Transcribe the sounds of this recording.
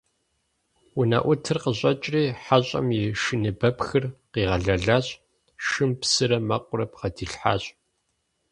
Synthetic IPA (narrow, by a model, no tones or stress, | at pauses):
wʊnɐ̰ʔʷʊtʰɨrqəʑʼɐt͡ʃʼriːħaɕʼɐ̰mjɪʃɨnɨbɐpxɨrqiːʁɐɮɐɮaːɕʼ | ʃɨmpsɨɾɐmɐqʷʊrɐpqɐdiːɬħa̰ːɕʼ